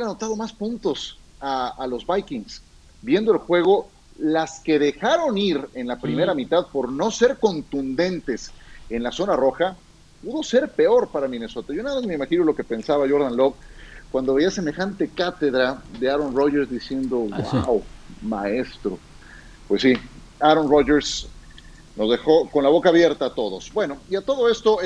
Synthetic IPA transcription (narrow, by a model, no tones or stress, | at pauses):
anot̪að̞o̞maspũnt̪o̞s | aːlo̞zβajkiŋs | bje̞nd̪oelxweɣ̞o̞ | laske̞ðe̞xaɾo̞niɾe̞nlapɾime̞ɾamit̪aðpo̞ɾno̞se̞ɾko̞nt̪und̪e̞nt̪e̞se̞nlaso̞naro̞xa | puðo̞se̞ɾpe̞o̞ɾpaɾamĩne̞so̞t̪aʝo̞naðamazme̞imaxino̞lo̞ke̞pe̞nsaβaʝo̞ɾðanlo̞βkwand̪o̞βeiase̞me̞xant̪e̞kat̪e̞ðɾaðe̞aɾo̞nro̞ʝeɾzd̪isje̞nd̪o̞ɡwa̰wmae̞st̪ɾo | pwe̞si | aɾonroʝeɾs | no̞zðe̞xo̞ko̞nlaβo̞kaːβje̞ɾt̪at̪o̞ðo̞sbwe̞no̞iat̪o̞ðo̞e̞st̪o̞